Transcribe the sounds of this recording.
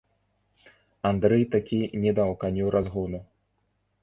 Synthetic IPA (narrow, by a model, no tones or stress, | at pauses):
and̪ɾɛjt̪akʲʰinʲɛd̪awkanʲuɾʔazɣunu